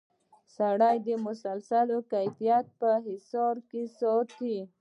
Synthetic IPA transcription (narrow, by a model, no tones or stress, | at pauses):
saɽajd̪əmʊsalsalokajfijat̪̚pəɦɪsɑɾkesɔɾt̪i